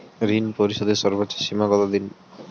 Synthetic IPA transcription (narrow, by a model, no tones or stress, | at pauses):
ɾinpoɾiʃɔd̪eʃɔɾbotːaʃimaɡɔt̪ad̪in